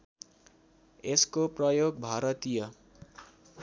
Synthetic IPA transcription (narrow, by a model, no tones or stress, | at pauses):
eskoprʌjoɡbʱaɾʌt̪ijʌ